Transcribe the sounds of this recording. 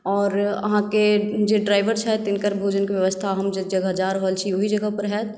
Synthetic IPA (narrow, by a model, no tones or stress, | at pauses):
ɔːɾɐ̰ɦãked͡ʒeɖɾaːɪʋəɾt͡ʃʰɛt̪ɪnkəɾbʱoːd͡ʒənkiʋjʋəst̪ʰaɦɐmd͡ʒəd͡ʒɐɡaɦəd͡ʒaːɾɦoəlt͡ʃʰioɦid͡ʒəɡapəɾɦɛːt̪